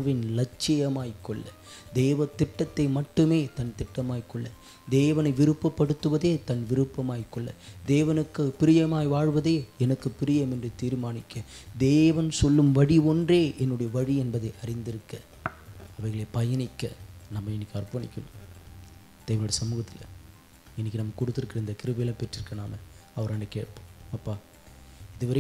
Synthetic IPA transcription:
ʋɪnlɐt͡ʃːɪjɐmaːjkːɔɭːɐ | d̪eːʋɐt̪ɪʈːɐt̪ːɐɪmɐʈːɯmeːt̪ɐnt̪ɪʈːɐmaːjkːɔɭːɐ | d̪eːʋɐnɐɪʋɪɾɯpːɐpːɐɽɯt̪ːɯʋɐðeːt̪ɐnʋɪɾɯpːɐmaːjkːɔɭːɐ̰d̪eːʋɐnɯkːɯpːɪɾɪjɐmaːjʋaːɻʋɐðeːɛnɐkːɯpːɪɾɪjɐmɛndrɯt̪iːɾmaːnɪkːɐd̪eːʋɐnsɔlːɯmʋɐɽiɔndreːʔɛnːɯɽɐjɐʋɐɻiɛnbɐðɐɪʔɐɾɪnd̪ɪɾɯkːɐ | ɐʋɐɪɣɐɭeːpɐjɐnɪkːɐnɐmːɐɪnːɪkːɯɐrpɐɳɪkʲːɐnɯ̰m | d̪̥eːʋɐnʊɽɐɐsɐmuːɣɐt̪ːɪlɐ̰ | ɪnːɪkːɯnɐmːɐkɔɽɯt̪ːɪɾɯkːɪɾɐɪnd̪ɐkɪɾɯbɐjɪlɐ̃pɛʈrɪɾɯkːɐnaːmɐɐʋɐɾɐɳɖɯkeːʈpoːɐpːaː | ɪðɯʋɐɾɐ

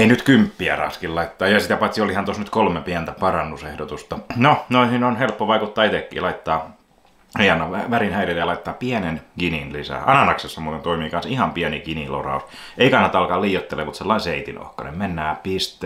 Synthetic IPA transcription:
einyt̪kympːiæ̰rɑ̰skillɑit̪ːɑːjɑsit̪æpɑt̪siolihɑnt̪osnyt̪kolmepiænt̪æpɑrɑnːusehdot̪ust̪ɑnonoihinonhelpːoʋɑikut̪ːɑːit̪ekːḭːlɑit̪ːɑː | eɑnːɑʋæʋærinhæilelːjɑlɑit̪ːɑːpiænenkininlisæ̰ʔɑnɑnɑksesːɑmuːt̪ent̪oimiːkɑnsihɑmpiænikinilo̰rɑ̰us | eikɑnːɑt̪ɑɑlkɑliːjot̪ːeleːmut̪selːɑinseit̪ḭno̰hkɑnḛmmenːæːpist̪ˑe

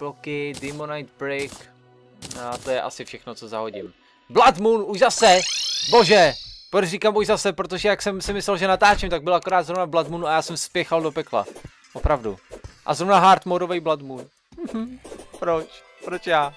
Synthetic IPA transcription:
plokɪdɪmonajt̪̚bɾɪkː | t̪ojɛʔa̰sɪfʃɛxnot͡so̞zaɦo̞ɟɪm | blat̪munuʒzasɛbo̞ʒɛpɾot͡ʃriːkamuʒzasɛpɾot̪̬oʒɛjaksɛmsɪmɪslɛlʒɛnat̪aːt͡ʃɛmt̪aɡ̚bɪlakoɾaːd̪zɾovnablat̪munuajaːsɛmspjɛxaldopɛkla̰ | ʔopɾavdṵʔa̰zɾovnaɦaɾt̪moɾovɛjblat̪mun | m̩ɦm̩pɾot͡ʃ | pɾot͡ʃjaː

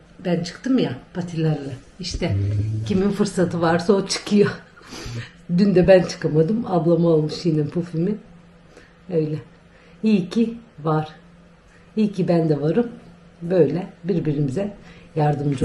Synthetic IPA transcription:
bænt͡ʃʰɯ̥kt̪ʰɯmjapʰat̪ʰilʲaɾlˠa | iʃt̪ʰɛciminfɯɾsat̪ʰɯvaɾsaot͡ʃʰɯ̥kʰɯjo | d̪ynd̪ɛbænt͡ʃʰɯ̥kamad̪ɯmablˠamaolˠmɯʃjininpʰufimin | ø̞jlʲɛ | iːcʰivaɾ̥ | iːcʰibænd̪ɛvaɾɯm | bø̞jlʲɛbiɾbiɾimizɛjaɾd̪ɯmd͡ʒ

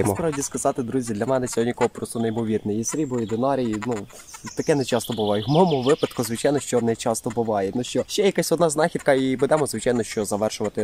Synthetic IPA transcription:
mɔɾɑdʲiskɐzɑt̪ɪd̪ɾuzʲid̪lʲɐmɛnɛt͡sʲɔɦɔnʲikɔɦɔpɾɔst̪ɔneimɔʋʲirnɛjisɾʲibɔid̪enɑɾʲijinu | t̪ɐkɛnɛt͡ʃɑst̪ɔbʊʋɑjɛmɔɔmɔʋɪpɐt̪kʊzʋɪt͡ʃɑjnɔʃt͡ʃɔnɛt͡ʃɑst̪ɔbʊʋɑjɛnuʃt͡ʃɔʃt͡ʃɛjɐkasʲɔd̪nɑznɑxʲit̪kɐibʊd̪ɛmɔzʋɪt͡ʃɑjnɔʃt͡ʃɔzɐʋɛrʃʊʋɐt̪ɪ

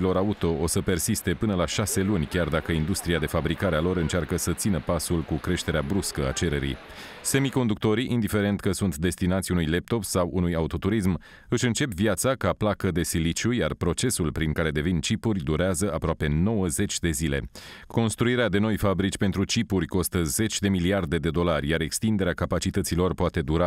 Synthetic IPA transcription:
lo̞ɾaut̪o̞ʔosəpe̞rsist̪e̞pɨnəlaʃase̞lunʲkʲard̪akəind̪ust̪ɾiad̪e̞fabɾikaɾealo̞ɾɨnt͡ʃarkəsət̪sinəpasulkukɾe̞ʃt̪e̞ɾeabɾuskəa̰t͡ʃe̞ɾe̞ɾḭj | se̞miko̞nd̪uk̚t̪o̞ɾiʔind̪ife̞ɾe̞nt̪kəsunt̪d̪e̞st̪inat̪sʲunujlep̚t̪o̞psawʔunujaut̪o̞t̪uɾism | ɨʃɨnt͡ʃe̞pvjat̪sakaplakəd̪e̞silit͡ʃujarpɾo̞t͡ʃe̞sulpɾiŋkaɾe̞d̪e̞vint͡ʃipurʲd̪uɾeazəapɾoape̞no̞wəze̞t͡ʃʲd̪e̞zile̞̰ko̞nst̪ɾuiɾead̪e̞no̞jfabɾit͡ʃʲpe̞nt̪ɾut͡ʃipuɾʲko̞st̪əze̞t͡ʃʲd̪e̞miliard̪e̞d̪e̞d̪o̞larʲjaɾe̞kst̪ind̪e̞ɾeakapat͡ʃit̪ət̪silo̞rpoat̪e̞d̪uɾa

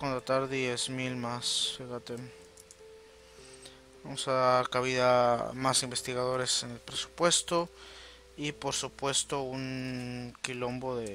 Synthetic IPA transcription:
kont̪ɾat̪aɾðje̞zmilmasfixat̪e | bamosaðaɾkaβiðamasimbe̞st̪iɣaðo̞ɾe̞se̞ne̞lpɾe̞su̥pwe̞st̪o̞ | ipo̞ɾsupwe̞st̪o̞uŋkilo̞mbo̞ðe

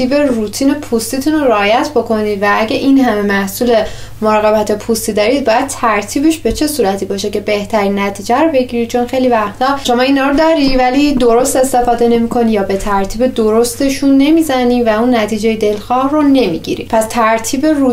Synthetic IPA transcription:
iːbe̞rut̪ʰiːne̞pʰust̪it̪ʰunoɾeɒːjæt̪ʰbo̞kʰo̞niːd̪vææɟæʔinhæme̞mæhsuːle̞ | moɾɒːɣe̞bæt̪ʰe̞pʰust̪id̪ɒːɾid̪̚bɒːjæd̪̚t̪ʰæɾt̪ʰiːbeʃbe̞t͡ʃʰe̞suːɾæt̪ʰibɒːʃe̞ce̞be̞ht̪ʰæɾiːnːæt̪ʰiːd͡ʒæɾobe̞ɟiɾit͡ʃʰo̞nxe̞jlivæxt̪ʰɒːʃo̞mɒːiːnhɒːɾod̪ɒːɾivælid̪o̞ɾo̞st̪e̞st̪e̞fɒːd̪e̞ne̞mikʰo̞nijɒːbe̞t̪ʰæɾt̪ʰiːbed̪o̞ɾo̞st̪e̞ʃunːe̞miːzænivæunːæt̪ʰiːd͡ʒe̞jed̪e̞lxɒːhrone̞mḭɟḭɾḭpʰæst̪ʰæɾt̪ʰiːbe̞ɾu

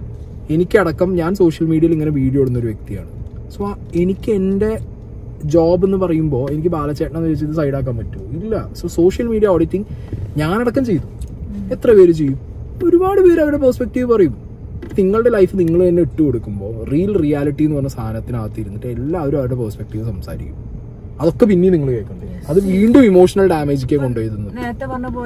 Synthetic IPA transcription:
e̞nikʲːɨɐɽɐkːɐmɲaːnso̞ːʂjɐlmiːɽiɐiliŋːɐne̞ʋiːɽijoːɽunːo̞ɾuʋjek̚t̪ija̰ːɳɨsoː | e̞nikʲːɨe̞nde̞ | d͡ʑoːbe̞nːɨpɐrɐjumbo̞ːe̞nikʲːɨbaːlɐt͡ɕːeːʈːɳaenːilːt͡ɕejt̪ːus̬ɐjɽaːk̬ːaːmpɐtːumilːɐsoːso̞ːʂjɐlmiːɽijɐoːɽitːiŋɲaːnɐɽɐkːɐmt͡ɕe̞jt̪uet̪ːrɐpe̞ːɾut͡ɕe̞jːum | o̞ɾubaːɽɨpe̞ːɾɐʋɐɾɽe̞peːspek̚ʈiːʋɨpɐrɐjum | niŋːɐɭɨɽe̞lɐjfɨniŋːɐɭenːeiʈːɨko̞ɽukːumbo̞ːriːlrijaːliʈːijenːɨpɐrɐɲːɐst̪ʰaːnɐt̪ːinaːʋɐt̪ːijiɾunːiʈːɨelːaːɐʋɐɾuaːɾuɽe̞pɐrspek̚ʈiːʋɨsɐmsa̰ːɾḭkʲːu̥m | ɐðo̞kːe̞pinːiniŋːɐɭɨkeːkːɐɳe | ɐðɨʋiːɳɖumimo̞ːʂɐnɐlɖaːme̞ːd͡ʑikʲːeko̞ɳɖojðenːt̪ːeʋɐnːɐboː

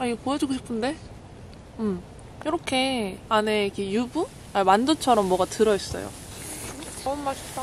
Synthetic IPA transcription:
aiɡepojʌd͡ʑuɡoɕʰi̥pʰɯnde̞ | ɯm | jʌɾʌkʰe̞ane̞ikʰejubun | awandot͡ɕʰʌɾʌmːwʌɡatɯɾʌʌs͈ʌ̰jo̰ | t͡ɕaɯnmaɭɕʰi̥p̚t͈a

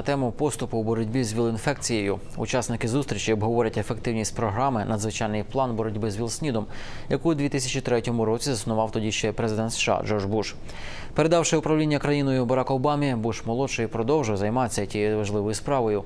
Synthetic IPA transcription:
ɐt̪ɛmʊpɔst̪ʊpʊwbɔɾɔdʲbʲizʲʋʲilˠinfɛkt͡sʲijejʊ | ṵt͡ʃɑsnɪkɪzust̪ɾʲit͡ʃiɔbɦɔʋɔɾʲɐtʲefek̚t̪ɪwnʲisʲtʲpɾɔɦɾɑmɪnɐd̪zʋɪt͡ʃɑjnɪjplˠɑnbɔɾɔdʲbɪzʲʋʲilˠsʲnʲid̪ɔm | jɐkuwd̪ʋʲit̪ɪsʲɐt͡ʃit̪ɾɛtʲɔmʊɾɔt͡sʲizɐsnʊʋɑwt̪ɔdʲiʃt͡ʃɛpɾezɪd̪ɛnt̪sʃɑ̰d͡ʒɔrʒbuʃ | pe̞ɾed̪ɑwʃɪʊpɾɐʋlʲinʲːɐkɾɐjinɔjʊbɐɾɑkɔːbɑmʲibuʃmɔlˠɔʃɔjpɾɔd̪ɔwʒɪwzɐjmɑt͡sʲːɐtʲijiʋɐʒlˠɪʋɔjʊspɾɑʋɔjʊ

